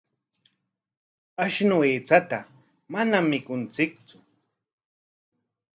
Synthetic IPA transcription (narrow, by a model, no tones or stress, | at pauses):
aʃnʊeːt͡sat̪a | manamːɪkʊnt͡sɪk̚t͡sʊ̥